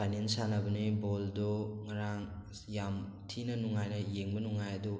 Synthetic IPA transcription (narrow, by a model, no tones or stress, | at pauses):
pʰajnensanɐbɐnibɔldɔŋɐɾaŋ | jamtʰinɐnuŋajnɐjeŋbɐnuŋajɐdu